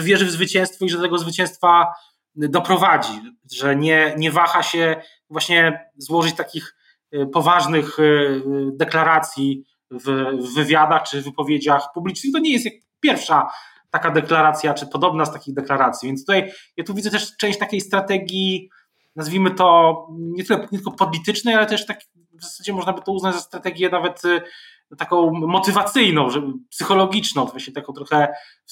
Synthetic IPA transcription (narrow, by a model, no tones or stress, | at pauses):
ʐɛvʲjɛʐɘvzvɘt͡ɕɛ̃w̃st̪fɔiʐɛt̪ɛɡɔzvɘt͡ɕɛ̃w̃st̪fa | d̪ɔpɾɔvad͡ʑi | ʐɛɲɛɲɛvaxaɕɛ | vwaɕɲɛzwɔʐɨt͡ɕt̪akʲix | pɔvaʐnɘx | d̪ɛklaɾat̪sʲji | vːɘvʲjad̪axt͡ʂɘvɘpɔvʲjed͡ʑaxpublʲit͡ʂnɘxt̪ɔɲɛjɛst̪ja | pʲjɛɾfʂa | t̪akad̪ɛklaɾat̪sʲjat͡ʂɘpɔd̪ɔbnast̪akʲiɣd̪ɛklaɾat̪sʲjivʲjɛnst̪ut̪ajjat̪uvʲid̪zɛt̪ɛʂt͡ʂɛ̃w̃ɕt͡ɕt̪akʲejst̪ɾat̪ɛɡʲji | nazvʲimɘt̪ɔɲɛt̪ɘlɛpɲʲɛt̪ɘlkɔpɔlʲit̪ɘt͡ʂnɛjalɛt̪ɛʂt̪ak | vzasad͡ʑɛmɔʐnabɘt̪ɔuznad͡ʑzast̪ɾat̪ɛɡʲjɛnavɛt̪ | t̪akɔ̃w̃mɔt̪ɘvat̪sɘjnɔ̃w̃ʐɛbpsɘxɔlɔɡʲit͡ʂnɔ̃w̃t̪vaɕɲɛt̪akɔ̃w̃t̪ɾɔxɛ